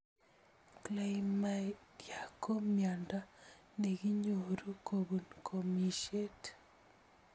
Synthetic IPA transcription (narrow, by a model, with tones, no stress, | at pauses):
klajma˨dja˨kʰo˦mja˨nda˦ | ne˨ɡi˦ɲo˨ɾu˦kʰobu˨nkʰo˨mi˨ʃe˦t